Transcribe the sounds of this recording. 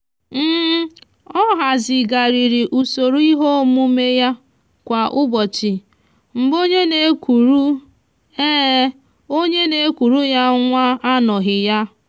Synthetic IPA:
m̩˦ | ɔ˦ɦa˨zɪ˨ɡa˨ɾi˨ɾi˨ʔu˨so˨ɾu˦i˦ɦo˦mu˦me˦ja˦ | kʷa˨ʔʊ˦bɔ˨t͡ʃɪ˨ | m̩˨bo˦ɲe˦ne˨˦kʷu˨ɾu˦ | eː˦ | o˦ɲe˦ne˨˦kʷu˨ɾu˦ja˦ŋʷa˦a˦nɔ˨ɦɪ˨ja˦

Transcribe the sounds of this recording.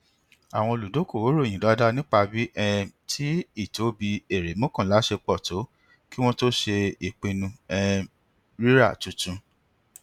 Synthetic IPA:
a˨w̃ɔ̃˧o˧lu˨do˨˦ko˦˨wo˨˦ɾo˦˨j̃ĩ˨da˨˦da˦nĩ˦k͡pa˧bi˦ʔɛ˧tʰi˦i˦˨to˨˦bi˧e˦˨ɾe˨˦mõ˦kɔ̃˦˨la˨˦ʃe˧k͡pɔ˦˨to˨˦ | ki˦w̃ɔ̃˦to˦ʃe˧i˨k͡pe˧nũ˧ɛ˧ | ɾi˦ɾa̰˦˨tũ˨˦tũ˧

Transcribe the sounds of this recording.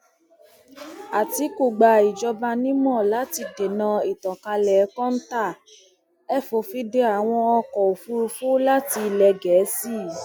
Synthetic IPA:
a˨ti˧˦ko˨ɡ͡ba˨i˨d͡ʒɔ˧ba˧nĩ˦mɔ̃˦˨la˨˦ti˧de˨nã˧i˨tɔ̃˨ka˧lɛ˨˦kɔ̃˦n̩˦ta˦˨ | ɛ˦˨fo˨fi˧˦de˧˦a˨w̃ɔ̃˧ɔ˧kɔ˨o˨fu˧ɾu˧fu˦la˦ti˧˨lɛ˧ɡɛ˨˦si˦˨

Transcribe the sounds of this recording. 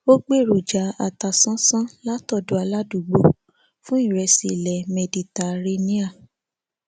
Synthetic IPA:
o˦ɡ͡be˦˨ɾo˨d͡ʒa˨˦a˧˨ta˧sã˦sã˦la˦tɔ˦˨do˨˦a˧la˦du˦˨ɡ͡bo˧˨ | fũ˦i˦˨ɾɛ˧si˨lɛ˨mɛ˨di˨ta˨ɾe˧nĩ˦a˦˨

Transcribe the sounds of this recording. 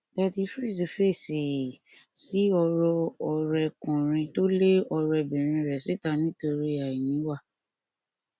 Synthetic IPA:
ta˦˧ti˧˦fɾi˦˨si˨fe˦˨si˨si˨˦ɔ˧ɾɔ˧ɔ˨ɾɛ˧kɔ̃˨ɾ̃ĩ˧to˦le˦ɔ˧ɾɛ˧bĩ˨ɾ̃ĩ˧ɾɛ˨si˦ta˦˨nĩ˦to˧ɾi˦a˨i˨nĩ˨˦wa˦˨

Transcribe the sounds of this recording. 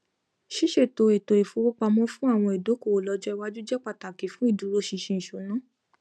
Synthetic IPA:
ʃi˦ʃe˦˨to˨e˨to˨e˨fo˨˦k͡po˦k͡pa˧mɔ̃˦fũ˦a˦˨w̃ɔ̃˧e˨do˨˦ko˦˨lɔ˨˧d͡ʒɔ˦i˧wa˦d͡ʒu˦d͡ʒɛ˦k͡pa˦˨ta˨ki˨˦fũ˦i˦˨du˨˦ɾo˦ʃi˧ʃẽ˧ñ̩˨ʃo˨˦nã˨˦

